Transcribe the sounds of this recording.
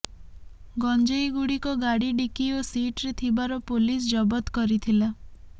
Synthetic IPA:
ɡɔnd͡ʒejɡuɽikɔɡaɽiɖikiosiʈɾet̪ʰibaɾɔpolis̬d͡ʒɔbɔt̪kɔɾit̪ʰila

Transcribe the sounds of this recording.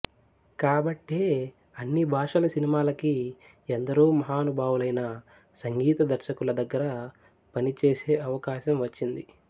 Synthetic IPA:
kaːbɐʈːeː | ɐnːibʱaːʂɐlɐsinimaːlɐki | end̪ɐɾuːmɐɦaːnubʱaːʋwulɐjnɐ | sɐŋɡiːt̪ɐd̪ɐɾʃɐkulɐd̪ɐɡːɐɾɐ | pɐnit͡ʃeːse̞ːɐʋɐkaːʃɐmʋɐt͡ʃːind̪i

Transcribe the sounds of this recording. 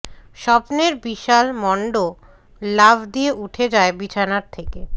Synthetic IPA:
ʃɔpneɾbiʃalmɔɳɖo | labʱd̪ieʔuʈʰed͡ʑaebit͡ɕʰanaɾt̪ʰeke

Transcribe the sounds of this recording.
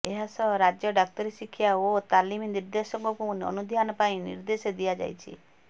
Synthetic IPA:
eɦasɔɾad͡ʒjɔɖak̚t̪ɔɾesikʰjaot̪aliminiɾd̪esɔŋkɔkunɔ̰nud̪ʱjanɔpaĩnḭɾd̪esed̪ijad͡ʒa̰jt͡ʃʰḭ

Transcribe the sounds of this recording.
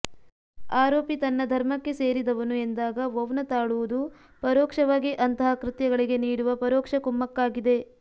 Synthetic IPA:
aːɾoːpit̪ɐnːɐd̪ʱɐɾmɐkːe̞se̞ːɾid̪ɐʋɐnue̞nd̪aːɡɐʋɐʋnɐt̪aːɭuʋud̪u | pɐɾɔːkʂɐʋaːɡiʔɐnt̪ɐɦɐkɾɪt̪jɐɡɐɭiɡe̞niːɽuʋɐpɐɾɔːkʂɐkumːɐkːaːɡid̪e̞

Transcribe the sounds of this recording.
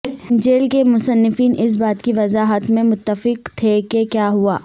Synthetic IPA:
d͡ʒeːlkemʊsənːɪfiːnʔɪs̬baːt̪kiʋɐzaːɦət̪mẽmʊt̪ːəfɪqt̪ʰekekjaːɦuaː

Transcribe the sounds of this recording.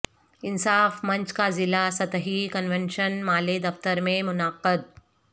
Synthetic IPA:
ɪnsaːfmɐ̃ɲt͡ʃkazɪlasɐt̪əɦikənʋenʃənmaːled̪ɐft̪əɾmẽmʊnaːqəd̪̚

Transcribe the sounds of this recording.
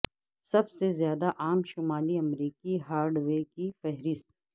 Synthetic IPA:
sɐbsezjaːd̪aʔaːmʃʊmaːliɐmɾiːkiɦaːɾɖwekifɛɦɾɪst̪̚

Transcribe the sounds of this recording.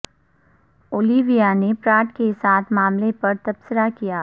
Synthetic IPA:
oːliːʋijanepɾaːʈkesaːt̪ʰmaːmlepɐɾt̪ɐpsəɾakijaː

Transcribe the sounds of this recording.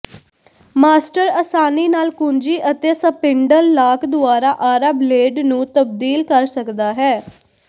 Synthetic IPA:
maːsʈəɾəsaːniːnaːlkʊɲd͡ʒiːʔət̪eːsəpɪɳɖəlːaːkʰd̪ʊaːɾaːʔaːɾableːɖnũːt̪əbd̪iːlkəɾsəkd̪aːɦɛː

